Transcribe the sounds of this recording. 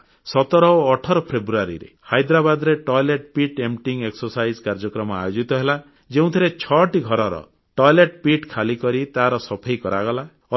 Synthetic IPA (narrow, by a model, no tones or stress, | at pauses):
sɔt̪ɔɾɔoːʈʰɔɾɔpʰɾebɾuaɾḭɾḛhajd̪ɾabad̪ɔɾeʈɔjleʈpiʈemʈiŋɡeksɔɾsajd͡ʒkaɾd͡ʒɔkɾɔmɔa̰jod͡ʒit̪ɔɦela | d͡ʒeũt̪ʰiɾet͡ʃʰɔʈiɡʱɔɾɔɾɔ̰ | ʈɔjleʈpiʈkʰalikɔɾit̪aɦɾɔsɔpʰejkɔɾaɡɔla | ɔ